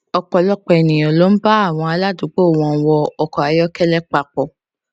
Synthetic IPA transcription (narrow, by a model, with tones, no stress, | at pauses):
ɔ˧k͡pɔ˨lɔ˦k͡pɔ˧ɛ˨nĩ˨ɔ̃˨lo˨˦m̩˦ba˦a˦˨w̃ɔ̃˧a˧la˦du˨˦k͡po˦˨wɔ̃˧˦wɔ˧ɔ˧kɔ˨a˨˦jɔ˦kɛ˦lɛ˦k͡pa˨k͡pɔ˨